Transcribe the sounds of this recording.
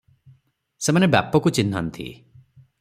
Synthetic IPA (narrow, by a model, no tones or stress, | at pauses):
semanebja̰pɔkut͡ʃinʱa̰nt̪ʰḭ